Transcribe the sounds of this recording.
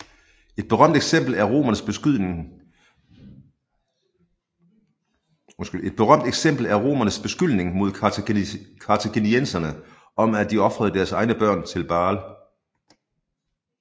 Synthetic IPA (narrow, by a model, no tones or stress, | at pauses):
e̝d̥̚b̥e̝ʁɶm̰d̥e̥sem̰b̥l̩æɐʁo̝̰ːmɐnəsb̥ | sɡ̥e̝d̥̚b̥e̝ʁɶm̰d̥eɡ̥sem̰b̥l̩æɐʁo̝̰ːmɐnəsb̥e̝sɡ̥yl̰ne̝ŋmo̝ðˠ | kʰɑ̈t͡sʰæɡ̥e̝niensɐnə | ʔɒ̽mæd̥iɒ̽fʁɐð̞ˠd̥æɐsɑ̈ɪnəb̥ɶɐ̰nt͡sʰe̝lb̥ɑ̈ːl